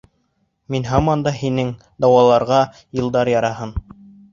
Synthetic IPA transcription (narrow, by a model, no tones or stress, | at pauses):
minɦɑmɑnd̪ɑhinɘŋ | d̪ɑwɑlˠɑɾʁɑ | jɤ̆lˠd̪ɑɾjɑɾɑɦɤn